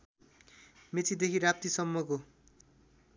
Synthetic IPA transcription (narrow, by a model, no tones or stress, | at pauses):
met͡sʰid̪ekʰiɾap̚t̪isʌmːoko